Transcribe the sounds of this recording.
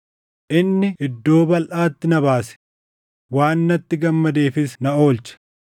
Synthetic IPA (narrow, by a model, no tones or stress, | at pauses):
ʔɪnːɪɪd̪ːo̞ːbɐlʔaːt̪ːɪnɐβaːsɛ̥ | waːnːɐt̪ːɪɡɐmːɐd̪e̞ːfɪsnɐo̞ːlt͡ʃɐ̥